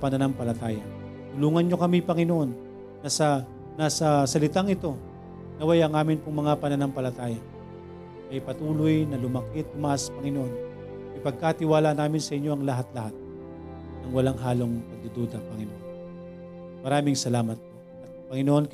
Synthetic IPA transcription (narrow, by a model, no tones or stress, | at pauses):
pɐnɐnaŋpɐlɐt̪aːjɐ | t̪ʊluːŋɐnɲo̞kɐmijpɐŋɪnoʔo̞nː | ɐsɐ | nasɐsɐlɪt̪aŋɪt̪o̞ | nɐwɐjaŋaːmɪnpʊŋmɐŋapɐnɐnampɐlɐt̪aːjɐ | ɐpɐt̪uːlojnɐlʊmɐkɪt̪̚ːʊmɐʔaspɐŋɪnoʔo̞n | ɪpɐɡ̚kat̪ɪwaːlanaːmɪnsɐʔɪɲːo̞ʔɐŋlɐɦat̪lɐɦat̪̚ | nɐŋwɐlaŋɦaːlo̞ŋpɐɡ̚d̪ʊd̪oːd̪ɐpɐŋɪnoʔon | mɐɾaːmɪŋsɐlaːmɐt̪̚ | ɐ | pɐŋɪnoʔon